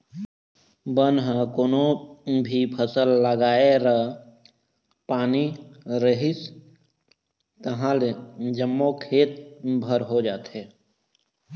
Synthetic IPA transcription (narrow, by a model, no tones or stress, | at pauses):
bənɦə̃koːnobʱipʰəsəlːəɡaːeɾə | paːniɾəɦis | t̪əɦãled͡ʒəmːokʰeːt̪̚bʱəɾɦod͡ʒaːt̪ɦe